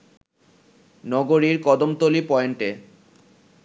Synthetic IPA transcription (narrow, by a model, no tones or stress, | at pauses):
nɔɡoɾiɾkɔd̪omt̪olipɔeɳʈe